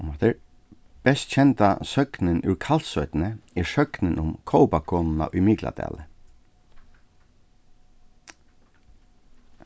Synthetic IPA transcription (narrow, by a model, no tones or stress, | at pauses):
mɔt̪əɹ | b̥ɛst̪t͡ʃʰɛnt̪asœknɪnʉ̰ɹkʰal̥t̪sœʏt̪nəɪɹsœknɪnʔʊmkʰɔʊpakʰɔːnna̰ʔʊjmiːkla̰d̪æ̰ːlə